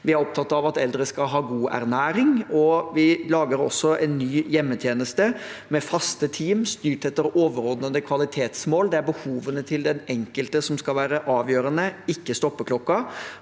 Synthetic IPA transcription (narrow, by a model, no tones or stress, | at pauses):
ʋɪæɾɔp̚t̪ʰɑt̪ːɑʋɑt̪ɛld̪ɾəskɑɦɑːɡuːʔæ̰ɾnæːɾɪŋɔʋɪlɑːɡəɾɔ̰sːɔʔɛnːyːjɛmːət̪ʰjeːnəst̪əmɛfɑst̪ət̪ʰiːmst̪yːʈɛt̪ːəɾoːʋəɾɔd̪nəɑnd̪əkʰʋɑlɪt̪ʰeːt̪smoːld̪ɛæɾbəhuːʋənət̪ʰɪld̪ɛnɛŋkəlt̪əsɔmskɑlʋæːɾəʔɑːʋjøːɾənəɪkːəst̪ɔpːəkʰlɔkːɑ